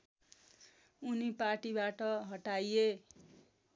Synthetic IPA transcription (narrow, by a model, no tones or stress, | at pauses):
uniparʈibaʈʌɦʌʈaje